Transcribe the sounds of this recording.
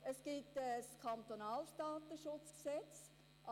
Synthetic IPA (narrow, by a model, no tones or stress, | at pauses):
əsɡ̥ɪtəskʰɑnt̪onɑːlsdaːt̪əʃʊt͡sksɛt͡s | ʔɑ